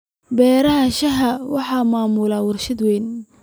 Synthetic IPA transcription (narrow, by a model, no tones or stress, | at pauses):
bɛːɾɐɦɐʃɐɦɐwɑħɑːmaːmʊlaːwɐrʃɐd̪wɛjn